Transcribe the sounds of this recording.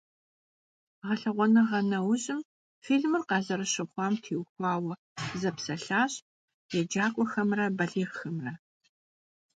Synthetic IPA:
ʁɐɬɐʁʷɔnɐʁɐnɐwɕʼɪm | fiːɮmɨrqɑːzɐɾɐɕɪχʷɑːmtʰiːwxʷɑːwɐ | zɐpsɐɬaːɕ | jɛd͡ʒaːkʷʼɔxɐmrɐbɐɮiːʁxɐmrɐ

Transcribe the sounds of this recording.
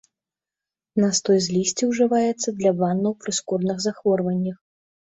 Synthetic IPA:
nɐst̪ɔjzʲlʲisʲt͡sʲiwʐɨvajɛt̪sːɐd̪lʲabanːɐwpɾɨskɔrnɨɣzaxvɔrvɐnʲːɐx

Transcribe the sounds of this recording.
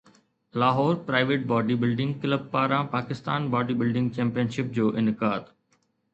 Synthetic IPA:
laːɦɔːɾpɾaːɪʋeːʈ̚bɔːɖibɪlɖɪ̃ŋɡkɪləb̚paːɾãpaːkɪst̪aːnbɔːɖibɪlɖɪ̃ŋɡ̚t͡ɕɛ̃ːmpijənʃɪp̚d͡ʑoːʔɪnɪkaːd̪

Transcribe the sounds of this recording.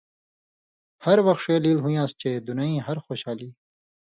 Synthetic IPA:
hɐɾwɐxʂeːliːlɦũjãːst͡ɕeːd̪unaĩːɦɐɾxoːɕaːliː

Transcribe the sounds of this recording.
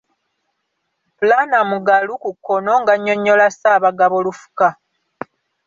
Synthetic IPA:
pulanamuɡalukukːo̞no̞ŋɡaɲːo̞ɲːo̞lasaːβaɡaβo̞lufu̥ka

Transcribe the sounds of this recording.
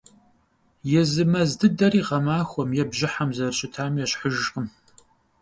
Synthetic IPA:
jɛzɨmɐzdɨdɐɾiːʁɐmaːxʷɔmjɛbʑɪħamzɐrɕʼɪtʰaːmjɛɕħəʒqʼəm

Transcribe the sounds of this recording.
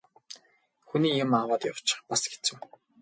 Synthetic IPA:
xuniːjʊmawaːt̪jaw̥t͡ɕɪχpasɡe̥t͡sɘ̆w

